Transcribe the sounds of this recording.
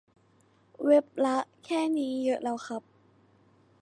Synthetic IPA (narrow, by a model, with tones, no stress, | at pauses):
we˦˥p̚la˦˥ʔkʰɛː˥˩niː˦˥jɤ˦˥ʔɾa˧wxʰa˦˥p̚